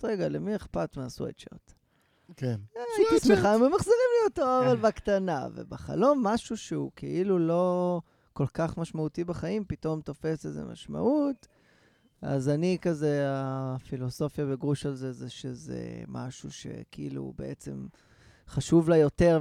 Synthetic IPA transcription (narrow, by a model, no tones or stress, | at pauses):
tʁeɡalemieχpat̪measwḛtt͡ʃa̰t̪ | kenasmeχamemaχziʁimlijot̪oavalbakt̪ana̰vḛbaχa̰lo̞mːaʃuʃeukeʔilulo̞ | ko̞lkaχmaʃmaut̪ibaχaimpit̪o̞mt̪o̞fe̞sezḛma̰ʃma̰ʔut̪ | a̰zanikazeafilo̞so̞fjabeɡʁuʃalzezeʃezḛma̰ʃuʃe̞̰kilṵbe̞ʔet͡se̞̰m | χaʃuvlajo̞t̪e̞ʁ